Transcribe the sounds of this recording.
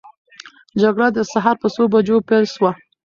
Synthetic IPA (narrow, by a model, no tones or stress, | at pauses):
d͡ʒaɡɽad̪əsaɦɑɾpəsobad͡ʒopelʃwa